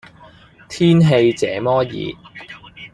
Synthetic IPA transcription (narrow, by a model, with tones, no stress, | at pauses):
t̪ʰiː˥nɦe˧jt͡sɛ̰ː˨˥mɔː˥jḭː˨˦